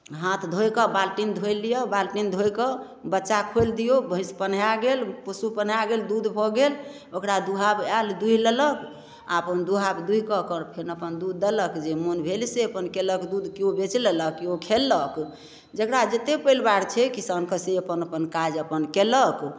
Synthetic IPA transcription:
ɦãt̪ʰd̪ʱojkəbalʈind̪ʱojlːijɔbalʈind̪ʱojkə | bətːt͡ʃːʃakʰold̪ijobʱəĩspənjaɡelpəsupənjaɡeld̪ud̪ʱbʱɔɡel | okɾad̪uɦabald̪uɦilələk | a̰əpənd̪uɦabd̪uɦikəkəɾpʰeɾnəpənd̪ud̪ːələkd͡ʒemonbʱelseəpənkeləkd̪ud̪kiobet͡ʃlələkːiokʰelːək | d͡ʒəkɽad͡ʒet̪epəjlbaɽt͡ʃʰɛkisankəseəpənəpənkad͡ʒəpənkelək

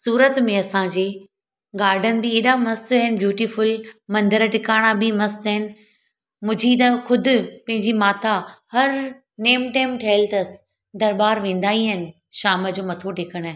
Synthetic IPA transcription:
suːɾət̪mẽɐsãːɲd͡ʑeː | ɡaːɾɖʱənɪ̆bɪeːɗamɐsɦɪnɪ̆bjuːʈifʊlmɐ̃nd̪əɾəʈɪkaːɽ̃abimɐsɦɪnɪ̆ | mʊ̃d͡ʑʱit̪ɐxʊd̪ʱʊ̆pɐ̃ɦɪ̃ɲd͡ʑimaːt̪ʰahɐɾ | neːmʈaːɪmʈʰiɪlt̪ɐs | d̪ɐɾbaːɾʋẽːnd̪aːiɦɪnɪ̆ | ʃaːməd͡ʑoːmɐt̪ʰoɖɪkəɽ̃aːɦɪ̃

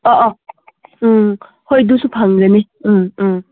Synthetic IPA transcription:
ɔʔɔ | hojdusupʰaŋɾene | ɯ

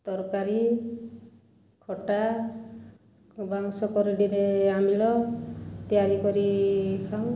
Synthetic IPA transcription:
t̪ɔɾkaɾi | kʰɔʈa | baŋsɔkɔɾiɖiɾeamilɔt̪ijaɾikɔɾikʰaw̃

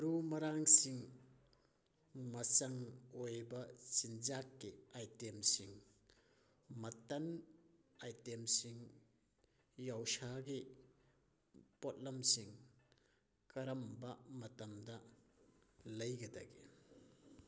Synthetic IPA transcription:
ɾumɐɾaŋsiŋ | mɐsɐŋojbɐsinzakːiajtemsiŋ | mɐtɐn | ajtemsiŋ | jawsaɡi | pot̚lɐmsiŋ | kɐɾɐmbɐmɐtɐmdɐ | lɐjɡɐda̰ɡḭ

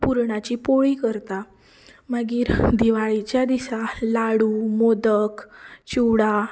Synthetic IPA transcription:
puɾɳat͡ɕipoɭikəɾt̪a | maɡiːɾd̪iʋaɭit͡ɕjad̪isalaɽuːmod̪əkt͡ɕuɽa

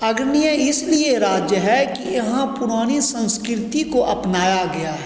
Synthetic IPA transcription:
ɐɡɾnijəɪslieɾaːd͡ʒjəɦɛkijɐɦãpʊɾaːnisɐ̃nskɾɪt̪ikoʔɐpnaːjaɡɐjaɦɛ

